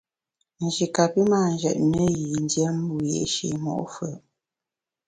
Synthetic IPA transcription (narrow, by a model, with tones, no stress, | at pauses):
n̩˨d͡ʒi˨ka˨pi˦maː˦˨n˨d͡ʒɛ̰˨ʔ̚nə˦ji˨n˦djɛ˦m̩˦bu˦jɛ̰˨ʃḭ˨mɔ̰˦˨ʔfə˨